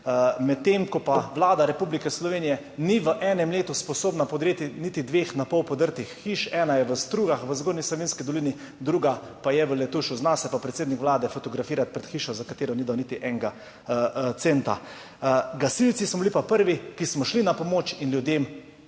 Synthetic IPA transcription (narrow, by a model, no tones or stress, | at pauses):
mɛt̪ːemkɔpaʋlaːd̪aɾɛpublikɛslɔʋeːnijɛ | niʋəʔɛːnɛmleːt̪uspɔsoːbnapoɔd̪ɾeːt̪init̪id̪ʋeːxnapɔwpɔd̪əɾt̪ixːiʃɛːnajɛʋəst̪ɾuːɡaxʋəzɡoːɾnislɔʋinskid̪ɔlini | d̪ɾuːɡa | pajɛʋəlɛt̪uʃuznasɛpapɾɛt̪seːd̪nikʋlaːd̪ɛfɔt̪ɔɡɾafiːɾat̪̚pɾɛt̪xiːʃɔzakat̪eːɾɔnid̪awnit̪iʔɛŋɡa | t̪seːnt̪a̰ | ɡasilt̪sismɔbilipapəɾʋikismɔʃlinapɔmoːt͡ʃinljud̪eːm